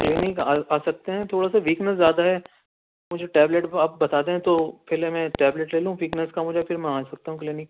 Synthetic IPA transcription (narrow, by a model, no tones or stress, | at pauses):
klinɪkaːaːsɐk̚t̪eɦɛ̃t̪ʰoːɽasaʋiːknəszjaːd̪aɦɛ | mʊd͡ʒʱeʈɛːbleʈapbɐt̪aːd̪eɦɛ̃t̪opʰɛːlɛmɛ̃ʈɛːbleʈleːlũɦũʋiːknəskamʊd͡ʒʱepʰɪɾmɛ̃aːsɐk̚t̪aɦũklɪːnɪk